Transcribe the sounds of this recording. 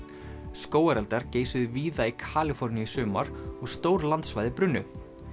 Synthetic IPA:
skoːwaɾɛlt̪aɾceːjsʏðʏviːðaikʰaːlɪfɔɾniɪsʏːmaɾɔɣst̪oːwɾlant̪svajðɪpɾʏnːʏ

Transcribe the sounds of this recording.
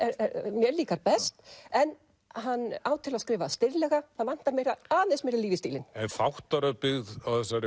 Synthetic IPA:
ɛɾɛɾmjɛɾliːkaɾpɛst̪ɛn | ɦanːaːwt̪ʰɪlaðskɾɪːvast̪ɪɾlɛːɣaθaðvan̥t̪aɾmjɛɾaaːðesmjɛɾaliːvɪst̪iːlɪnɛnfawht̪aɾœpɪɣðawθɛsːaɾɪ

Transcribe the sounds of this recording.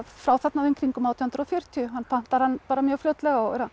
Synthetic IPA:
fɾaːwθɛt̪naveŋkɾiŋkʏmawt̪ʰɔhnt̪ɾɔwfjœɾ̥t̪ʰjʏɦanːpʰan̥t̪aɾ̥hanːpaːɾamjœːɣflœwt̪lɛɣaɔɛɾa

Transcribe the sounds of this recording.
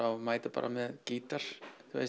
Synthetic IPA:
awmaːjt̪apa̰ːɾʔamɛðciːt̪aɾ̥θa̰

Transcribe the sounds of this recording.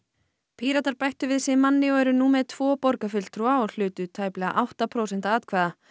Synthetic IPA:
pʰiːɾat̪aɾpajht̪ʏvɪðsɛmanːɪɔɛɾʏnuːmɛðt̪ʰv̥ɔːpɔɾkafʏl̥t̪ɾuaɔl̥ʏːt̪ʏt̪ʰaːjplɛɣa̰ʔawht̪apʰɾoːwsɛnt̪aaːt̪kʰvaːða

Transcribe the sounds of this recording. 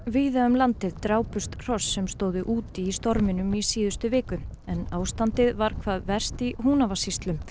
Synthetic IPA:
viðaʏmlant̪ɪðt̪ɾaːwpʏst̪r̥ɔsːɛmst̪oːwðʏʔuːt̪iːst̪ɔɾmɪnʏmisiːðʏst̪ʏvɪːkʏɛnaːwst̪ant̪ɪðvaɾ̥kʰvaːðvɛr̥st̪iɦuːnavasist̪lʏm

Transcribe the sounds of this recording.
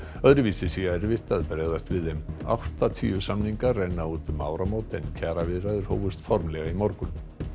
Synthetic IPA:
œðɾʏviːsɪsiɣaɛɾvɪht̪aðpɾeːɣðast̪vɪðːɛma̰wht̪at̪ʰḭːʏsamniŋkarːejnːauːt̪ʏmːa̰ːwɾamoːwt̪ɪncʰaːɾavɪðɾaðʏɾ̥hoːwvʏst̪fɔɾmlɛɣaimɔɾkʏn

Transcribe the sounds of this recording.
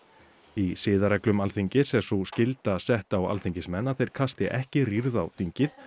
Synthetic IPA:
isɪːðaɾɛklʏmalθiɲcɪsɛsuscɪlt̪asɛht̪awa̰lθiɲcɪsmɛnːaθejɾ̥kʰast̪ɪʔɛhcɪriɾðawθiɲcɪθ

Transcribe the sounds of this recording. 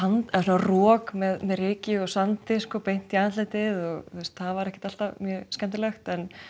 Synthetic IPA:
ant̪ɛsunarɔːkmɛðmɛðrɪːcɪɔsant̪ɪskɔpejn̥t̪iaːnat̪lat̪ɪðɔɣθwest̪θavaɾɛhcɪ̥t̪al̥t̪amjœːskɛnt̪ɪlœxt̪ɛn

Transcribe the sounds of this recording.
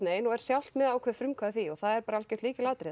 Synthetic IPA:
neːjɪnɔɣɛɾ̥sjawl̥t̪mɛðaːwkʰvɛfɾʏmkʰvaːðʏθiɔɣθaðɛɾpaːɾaal̥cɛɾ̥t̪iːcɪlaːt̪ɾɪ

